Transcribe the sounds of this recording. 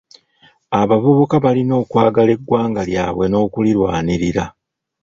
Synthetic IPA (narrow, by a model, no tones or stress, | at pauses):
aβavuβukaβalino̞ːkwaːɡale̞ɡːwaːŋɡalja̰ːβwe̞no̞ːkuliɾwaːniɾiɾa